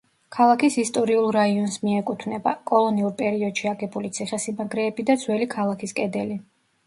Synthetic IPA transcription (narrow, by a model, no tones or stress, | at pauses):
kʰalˠakʰisist̪ʼɔɾiulˠɾaiɔnsmiɛkʼut̪ʰvnɛba̰kʼɔlˠɔniuɾpʼɛɾiɔd̪̥ʃiaɡɛbulit̪sʰiχɛsimaɡɾɛːbid̪ad̪z̥wɛlikʰalˠakʰiskʼɛd̪ɛli